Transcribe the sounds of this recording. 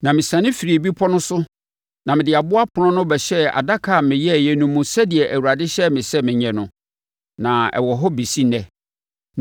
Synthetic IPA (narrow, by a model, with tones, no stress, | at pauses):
nã˨mɪ̃˨sã˨nɪ̃˦fi˨ɾi˨bi˦pʰɔ˦nʊ̃˦sʊ˦ | nã˨mɪ̃˨dɪ˨a˨bʊ˦a˦pʰʊ˨nɔ̃˦nʊ̃˦bɛ˨ɕɛ˦a̰˨da˦kʰa˨mɪ̃˨jɛ˦˨jɛ˨nũ˨mũ˨sɛ˦dɪ˨ɛ˨ʔæ˨wu˨ɾa˨dɪ˦ɕɛ˦mɪ̃˨sɛ˦mɪ̃˨ɲɛ̃˨nʊ̃˨ | nã˨ɛ̰˨wɔ˨ɦɔ˦bi˨si˦nɛ̃˦